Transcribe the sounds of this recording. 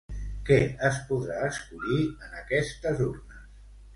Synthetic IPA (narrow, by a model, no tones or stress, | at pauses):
kɛəspuðɾaəskuʎiənəkɛst̪əzurnəs